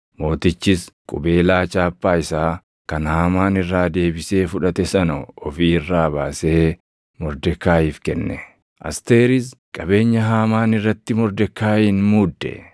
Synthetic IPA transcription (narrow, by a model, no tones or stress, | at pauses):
mo̞ːt̪ɪt͡ʃːɪskʼʊbe̞ːlaːt͡ʃaːpːaːɪsaː | kɐnhaːmaːnɪrːaːd̪e̞ːbɪse̞ːfʊᶑɐt̪ɛsɐnɐɔfiːɪrːaːbaːseː | mɔɾd̪ɛkːaːjɪfkɛnːɛ | ʔɐ̰st̪eːɾɪskʼɐbe̞ːɲːɐɦaːmaːnɪrːɐt̪ːɪmɔɾd̪ɛkːaːjiːnmuːd̪ːɛ̰